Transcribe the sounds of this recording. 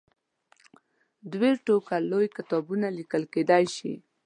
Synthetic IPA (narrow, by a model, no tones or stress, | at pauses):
d̪weɾʈokalojkɪt̪ɑbunalikəlked̪ajʃḭ